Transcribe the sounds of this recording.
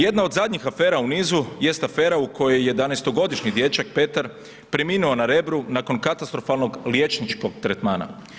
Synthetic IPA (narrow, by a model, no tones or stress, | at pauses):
je̞d̪nao̞d̪zad̪ɲixafe̞ːɾauniːzuje̞st̪afe̞ːɾauko̞jejje̞d̪anest̪o̞ɡo̞d̪iʃɲid̪jet͡ʃak̚pe̞t̪aɾ | pɾeminuonaɾe̞bɾunako̞nkat̪ast̪ɾo̞falˠno̞ɡlje̞t͡ʃnit͡ʃko̞ɡt̪ɾet̪maːna̰